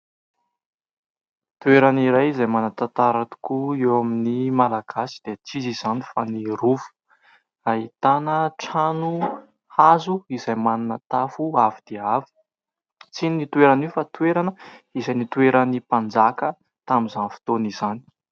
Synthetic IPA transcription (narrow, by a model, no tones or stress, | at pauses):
t̪ueɾaniɾajizajmanat̪at̪aɾat̪u̥kuewaminimalaɡ̥asi̥d̪̥et͡siziz̥anifaniɾufu̥ | aɦit̪anəʈ͡ʂanu | hazuizajmananət̪afuavid̪̥eavi̥ | t͡sininit̪ueɾaniwfat̪ueɾanəizajnit̪ueɾənipand͡zakə | t̪amizanfi̥t̪oniz̥ani̥